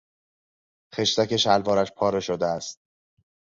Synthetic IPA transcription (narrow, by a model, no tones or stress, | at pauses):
xe̞ʃt̪æce̞ʃælvɒːɾæʃpʰɒːɾe̞ʃod̪eæst̪̚